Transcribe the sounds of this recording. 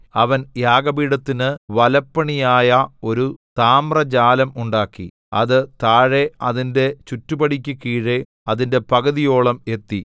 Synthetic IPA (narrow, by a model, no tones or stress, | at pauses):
ɐʋɐnjaːɡɐbiːɽɐt̪ːinɨʋɐlɐpːɐɳijaːjɐo̞ɾut̪aːmrɐd͡ʑaːlɐmuɳɖaːkːḭ | ɐ̰ðɨt̪aːɻe̞ɐðinde̞t͡ɕutːubɐɽikʲːukiːɻe | ɐðinde̞pɐɡɐðijo̞ːɭɐme̞t̪ːi